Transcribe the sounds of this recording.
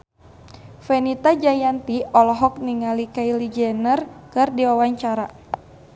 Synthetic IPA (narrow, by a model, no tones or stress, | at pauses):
fɛnit̪ad͡ʒajant̪iɔlɔɦɔk̚niŋalikailid͡ʒɛnərkɨrdiwawaɲt͡ʃaɾa